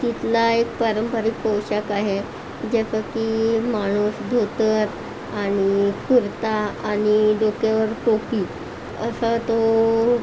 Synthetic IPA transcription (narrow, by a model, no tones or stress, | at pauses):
t̪it̪laek̚pəɾəmpəɾiːkpəwɕəkaɦe | d͡ʑesəkimaɽ̃usd̪ʱot̪əɾ | aɽ̃ikuɾt̪aːɽ̃iɖokaʋəɾʈopiː | əsət̪o